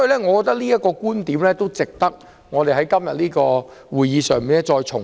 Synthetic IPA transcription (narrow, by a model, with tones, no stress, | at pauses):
sɔɔː˥ji˨˧lɛː˥ŋɔː˨˧kɔ˧kt̪ɐ˥k̚liː˥jɐ˥t̚kɔː˧kuː˥nt̪iː˨˥mlɛː˥t̪o˥wt͡sɪ˨k̚t̪ɐ˥k̚ | ŋɔː˨˧t̪e˨jɦɐ˨˥jkɐ˥mjɐ˨t̚liː˥kɔː˧wuː˨˩jiː˨˧sœː˨ŋmiː˨nɛ˥t͡ʃɔː˧jt͡sʰʊ˨˩ŋ